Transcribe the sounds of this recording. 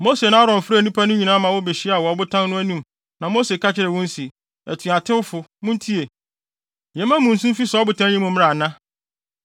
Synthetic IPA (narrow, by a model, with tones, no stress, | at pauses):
mo˦se˨nã˦a˦ɾɔ̃˨m˨fɾæ˨nĩ˦pʰa˦nʊ̃˦ɲĩ˨nã˦mã˨wɔ˦be˨ɕi˦a˨wɔ˨ɔ˨bʊ˦tʰã˦nnʊ̃˦æ˦nĩ˦m | nã˨mo˦se˨kʰa˦t͡ɕʰɪ˦ɾɪ˨wɔ̃˦n˦si˨ | æ̰˨tʰũ˨a˨tʰɪ̃˦wfʊ˨mʊ̃˦n˦tʰi˦e˨ | ɛ̃˨˦mã˦mũ˨n̩˨sũ˦m˦fi˦sɔ˨˦bʊ˨tʰã˦ɲĩ˦mʊ̃˨m̃˦a˨nã˦